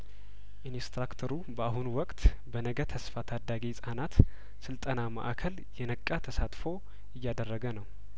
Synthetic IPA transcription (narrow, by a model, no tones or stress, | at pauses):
ʔinist̪ɾakt̪ʰəɾubəahunwɔkʼt̪ | bənəɡət̪ʰəsfat̪ʰad̪ːaɡesʼanat̪ | sɨlt̪ʼənama̰ʔakʰəl | jɛnəkʼːat̪ʰəsat̪ʼfo̞ | ɪjːad̪ərːəɡənəw